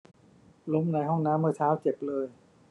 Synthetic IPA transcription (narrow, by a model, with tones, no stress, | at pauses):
lo˦˥mna˧jɦɔ˥˩ŋnaː˦˥mːɯː˧˩t̪ʰaː˦˥wt͡ɕe˨˩p̚lɤː˧j